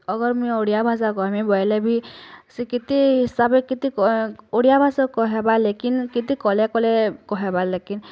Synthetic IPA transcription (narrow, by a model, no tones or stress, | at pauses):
ɔɡɔɾmujoɽijabʱasakɔamibɔjɛlɛbʱisikit̪iɦisabekit̪ikoɽijabʱasɔkɔɦɛbalekinkit̪ikɔlɛkɔlɛkɔɦɛbalekin